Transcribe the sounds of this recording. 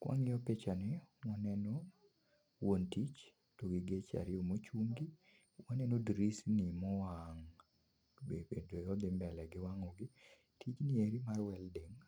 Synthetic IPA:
kwʔa̰ŋɪɔpet͡ʃanɪwɔnɛnɔ | wontit͡ʃ | toɡɪɡet͡ʃa̰ɾɪomot͡ʃuŋɡi | wanɛnodɾisnimɔwaŋ | beedojɔd̪ɪmbɛlɛɡɪwaŋɔɡɪ | tit͡ʃnɪeɾimarwɛldeŋ

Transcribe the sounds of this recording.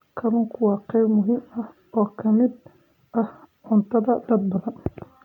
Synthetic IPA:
kʰɐlʊŋkʰʊwɑːqɛjbmʊɦɪmɐh | ɔːkʰɐmɪd̪ | ʔɐh | ʕʊnt̪ʰɐðɐd̪ɐd̪̚bɐðɐn

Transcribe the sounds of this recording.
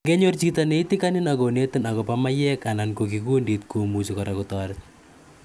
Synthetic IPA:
ŋɡɛɲɔrd͡ʒit̪aneit̪ikaninaɡɔnet̪ənakɔpamajɛkanankokikundit̪̚ɡ̥omud͡ʒukaɾakut̪aɾt̪̚

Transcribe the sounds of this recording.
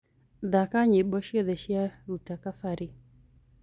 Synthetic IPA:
ðakaɲiɓɔʃiɔðɛʃiaɾutakafaɾi

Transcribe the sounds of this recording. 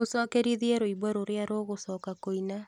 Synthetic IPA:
osɔkeɾiðiɛɾoiβwaɾoɾeaɾoːɣosɔːkakoina

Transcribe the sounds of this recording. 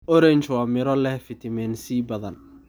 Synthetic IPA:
ʔɔɾɛɲt͡ʃwɑːmɪɾɔlɛhfɪt̪ʰɪmɛːnsiːbɐðɐn

